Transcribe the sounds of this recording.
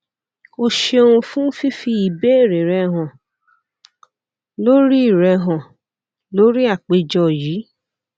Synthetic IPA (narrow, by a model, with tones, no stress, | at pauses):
o˧ʃe˧õ˧ũ˧fũ˦fi˦fi˧i˨be˨˦e˦˨ɾe˨ɾɛ˧ɦɔ̃˨ | lo˦ɾi˦i˦˨ɾɛ˧ɦɔ̃˨ | lo˨˦ɾi˦a˦˨k͡pe˧d͡ʒɔ˧˨jiː˨˦